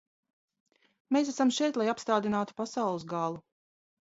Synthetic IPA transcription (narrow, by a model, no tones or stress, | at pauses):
meːs̬æsamʃɛjt̪lˠajapst̪aːd̪inaːt̪u̥pasawlˠɨsɡalˠu